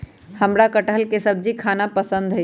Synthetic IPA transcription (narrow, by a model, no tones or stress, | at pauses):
həmɾakəʈəɦəlkesəb̚d͡ʒikʰaːnapəsə̃nd̪ɦə